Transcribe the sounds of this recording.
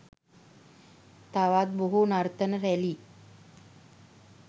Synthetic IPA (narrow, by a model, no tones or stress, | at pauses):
t̪aʋat̪̚boɦunaɾt̪ənəɾɛliː